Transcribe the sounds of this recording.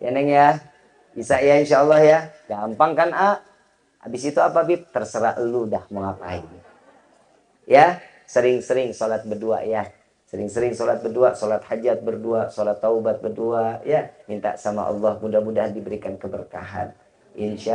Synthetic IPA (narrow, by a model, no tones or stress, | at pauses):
janəŋja | isaʔjainʃaɔlˠːɑhjaɡampaŋkana | a̰bɪsit̪uapabɪp̚t̪ərsəɾaʔludahməŋapa̰i | ja | səɾɪŋsəɾɪŋsɔlat̪̚bərdua̰ʔja | səɾɪŋsəɾɪŋsɔlat̪̚bərduaʔsɔlat̪had͡ʒat̪̚bərduaʔsɔlat̪ːaubat̪̚bərduaʔjamint̪a̰ʔsama̰ʔɑ̰lːɑhmudamudaɦandibəɾikankəbərka̰ɦa̰n | ɪnʃa